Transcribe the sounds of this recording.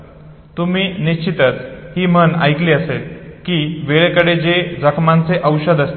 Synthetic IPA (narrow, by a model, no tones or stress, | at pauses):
t̪um̤iːniɕt͡ɕit̪ət͡shiːməna̰jkliːəselkiːʋeɭekəɽed͡ʑed͡zəkʰmant͡seʔəwɕəd̪əst̪